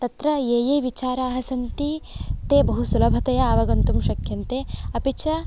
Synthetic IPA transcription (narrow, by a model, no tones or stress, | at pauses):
t̪ɐt̪ɾɐeːjeːʋit͡ʃaːɾaːɦɐsɐnt̪it̪eːbɐɦusulɐbʱɐt̪ɐjɐːʋɐɡɐnt̪umʃɐkʰjɐnt̪eːɐpiʃʰɐ